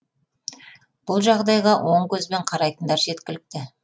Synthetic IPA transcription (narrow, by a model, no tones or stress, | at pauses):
b̥ʊlˠʒɑʁd̪ɑjʁɑwʔo̞ɴkʲʰɵzbe̞ɴqʰɑɾɑjt̪ənd̪ɑɾʒe̞t̪kʲɪlɪk̚t̪ɪ